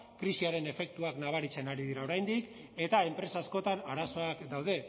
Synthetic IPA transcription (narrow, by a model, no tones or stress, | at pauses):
kɾisiaɾe̞ne̞fe̞k̚t̪uaknaβ̞aɾit͡se̞naɾiðiɾao̞ɾajnd̪ik | e̞t̪ae̞mpɾe̞saːsko̞t̪anaɾaso̞akd̪awð̞e̞